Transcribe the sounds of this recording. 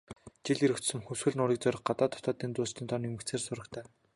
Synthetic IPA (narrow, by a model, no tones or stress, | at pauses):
t͡ɕiɮiɾɘ̆kt͡ɕ̪sɵ̆mxɵwsxɘ̆ɮnʊɾĭk̚t͡sœɾɞ̆χɢat̪aːt̪ʰɔt̪ɔːt̪iːnt͡s̪ʊːst̪iːnt̪ʰɔnumɘ̆kt͡sʰeːrsʊɾə̆kt̪ʰæː